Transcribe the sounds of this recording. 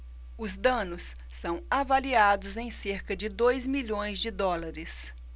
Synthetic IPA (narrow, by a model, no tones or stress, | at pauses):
ʊzd̪ɐ̃nʊsː | ɐ̃w̃avaliad̪ʊzẽj̃seɾkɐd͡ʒɪd̪ojzmiʎõj̃zd͡ʒɪd̪ɔlaɾɪs